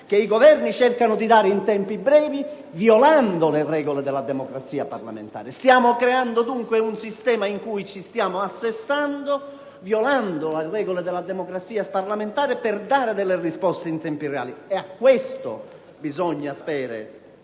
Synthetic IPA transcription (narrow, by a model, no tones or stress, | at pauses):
k̟eiɡɔvɛɾnit͡ʃɛrkanʊd̪id̪aːɾeint̪ɛmpibɾɛːvi | vjɔland̪olerɛːɡoled̪ɛlad̪ɛmɔkɾat̪sːiːapa̰ɾla̰mḛnt̪a̰ːɾɪst̪jaːmokɾɛand̪od̪uŋkweunsist̪ɛːmaiŋkujt͡ʃist̪jaːmoasːest̪and̪o | vjɔland̪olerɛːɡoled̪ɛlad̪ɛmokɾat̪sːiːasparlament̪aːɾɪperd̪aːɾɪd̪ɛlːerispɔst̪eint̪ɛmpirɛa̰ːliɛakːwest̪o̰ | bizɔɲːaspɛːɾḛ